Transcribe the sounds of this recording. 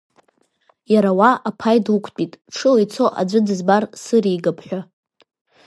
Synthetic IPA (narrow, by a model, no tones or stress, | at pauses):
jaɾawaapʰajdukʷʰt͡pʼitʼʈ͡ʂʰɨlajt͡sʰoʔa̰d͡ʒʷɨdɨzbarsɨɾiɡapʰħʷᶣa